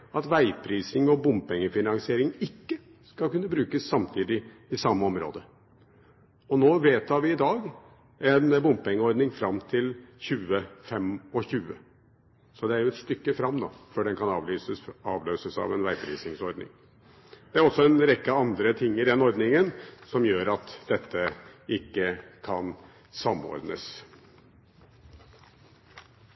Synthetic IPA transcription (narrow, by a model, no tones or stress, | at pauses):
ɑt̪ʋæɪpʰɾiːsɪŋɔbʊmpɛŋːəfɪnɑŋsɪeːɾɪŋɪkːə | skɑlkʉnːəbɾʉːkəsːɑmt̪ʰiːd̪ɪ | ɪsɑmːəɔmɾo̰ːd̪ə | ɔnoːʋeːt̪ʰɑːɾʋɪɪd̪ɑːɡ | ɛnbʊmpɛŋːəɔɾd̪nɪŋfɾɑmt̪ʰɪlçʉːəfɛmːɔçʉːə | sɔd̪ɛæɾjʊɛt̪st̪ʏkːəfɾɑmːd̪ɑ̰ːfœɖɛnkʰɑnɑːʋlyːsəsɑːʋløːsəsɑ̰ʋɛnʋæɪbɾḭːsɪŋsɔɾd̪nɪ̰ŋ | d̪̥ɛæɾɔsːɔɛnɾɛkːəɑnd̪ɾət̪ʰɪŋːɪd̪ɛnɔɾd̪nɪŋənsɔmjøːɾɑt̪d̪ɛt̪ʰːəɪkːəkʰɑn | sɑmːɔ̰ɾd̪ə̰s